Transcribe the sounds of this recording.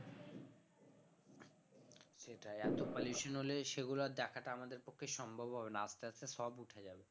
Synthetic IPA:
ʃeʈaɛt̪okaljuʃonɦoleʃeɡulad̪ɛkʰaʈaamad̪eɾpokʰːeʃɔmbʱabʱɦɔbenaasʈeat͡ɕʰeʃɔbuʈʰed͡ʑabe

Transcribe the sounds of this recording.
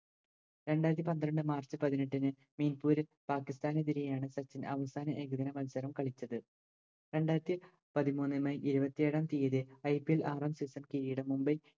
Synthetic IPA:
ɾe̞ɳɖaːjɾɐt̪ːipɐnd̪ɾɐɳɖɨmaːrt͡ɕɨpɐðineʈːinɨ | miːnpuːɾil | paːkːist̪aːned̪iɾijaːɳɨsɐt͡ɕːinɐ̰ʋɐsaːnɐʔeɡuðɐnɐmɐlsɐɾɐmkɐɭit͡ɕːɐðɨ | ɾe̞ɳɖaːjɾɐt̪ːi | pɐðimuːnːɨmɐjʔiɾubɐt̪ːijeːɽaːnt̪ijɐðɨɐjpielʔaːrɐnsisɐmkiɾijiɽɐmumbɐj

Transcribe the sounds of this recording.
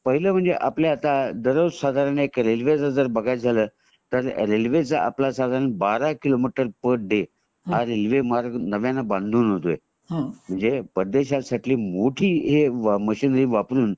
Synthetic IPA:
pəɦiləːm̤əɳd͡zeʔapljaːt̪ad̪əɾəsad̪ʱaɾənekɾelʋet͡səd͡zəɾbəɡʱajd͡zʱaləː | t̪əɾɾelʋet͡saʔa̰plasad̪ʱaɾənbaɾakilomiʈəɾpəʈ̚ɖe | ɦaɾelʋemaɾɡnəʋjãnːabãnd̪ʱuːnɦot̪oe | m̤əɳd͡zepəd̪ːeɕasaʈiliːmoʈʰiːɦeʋməɕiːnəɾiːʋapɾuːn

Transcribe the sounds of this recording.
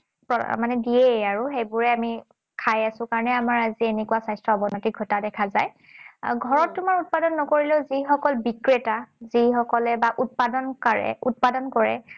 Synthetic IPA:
pɔmanɛdieaɹʊxejbʊɹɛami | kʰajasʊ̃kaɹɔnɛamaɹazienɛkuasajstɹɔɔbɔnɔtiɡʱɔtadɛkʰazaj | ɡʱɔɹɔtːʊmaɹut̚padɔnːɔkoɹilɛʊzixɔkɔlbikɹetazixɔkɔlɛbaʔut̚padɔnkaɹɛ̰ṵt̚padɔnkɔɹɛ̰

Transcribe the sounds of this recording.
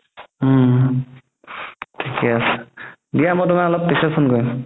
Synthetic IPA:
tʰikɛasdijamɔjtʊmaɔlɔp̚pisɛpʰunkoɹim

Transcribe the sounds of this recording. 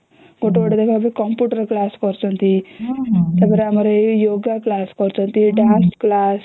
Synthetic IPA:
ɡoʈʋəɽʈed̪ekʰaap̬ekɔmpjuʈəɾklaskɔɾt͡sɔnt̪i | t̪abəɾamaɾejoɡaklaskɔɾt͡sɔnt̪iɖãnsklas

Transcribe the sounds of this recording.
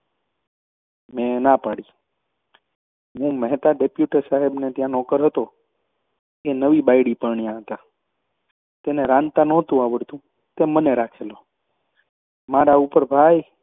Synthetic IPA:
mẽnapaɽi | ɦũmɛɦt̪aɖepjuʈesaɦebnet̪jãnɔkəɾɦət̪o | enəʋibajɽipəɾɳijãɦət̪a | t̪eneɾãnt̪anot̪ũaʋəɾt̪ũ | t̪eməneɾakʰelo | maɾaupəɾbʱaj

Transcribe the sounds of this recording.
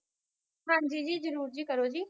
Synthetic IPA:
ɦãːd͡ʒiːd͡ʒiːzəɾuːɾd͡ʒiːkəɾoːd͡ʒiː

